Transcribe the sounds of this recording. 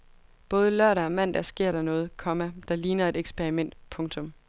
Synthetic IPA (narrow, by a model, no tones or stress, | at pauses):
b̥ɔ̽ːð̞ˠəlɶɐ̰ɾɐɒ̽mæn̰d̥æɐsɡ̥e̝ɐ̰ɾ̥ænɔ̽ːð̞̩ˠkʰɒ̽mæd̥ɑ̈liːnɐe̝d̥eɡ̥sb̥eʁimen̰d̥pʰɔ̽ŋt͡sʰɔ̽m